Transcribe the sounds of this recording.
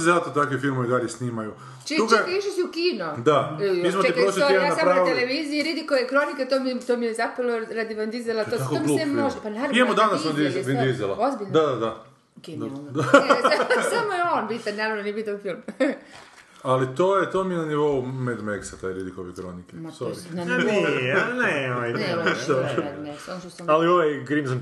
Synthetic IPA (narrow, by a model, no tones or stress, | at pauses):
zat̪ot̪akʋifilˠmoʋid̪aljesniːmaju | t͡ʃiut͡ʃkekaiʃisiukiːnod̪amismoteipɾosliienasapɾanːt̪eleʋizijiɾid̪ikoʋekɾoniket̪omit̪oːmijezapɾaloɾad̪iʋand̪izelat̪oak̪oluːemoʒapanaːɾavijemod̪anasond̪izʋend̪izelˠaozbiʎnd̪ad̪ad̪a | ked̪d̪a | ssamojeoːnbit̪annaːɾaʋnonibit̪anfilˠm | alit̪oːjet̪omijenaniʋo̞umed̪meksat̪ajɾid̪ikoʋekɾonikesoi | neoʋajneoonesansusaalioʋajɡɾimzam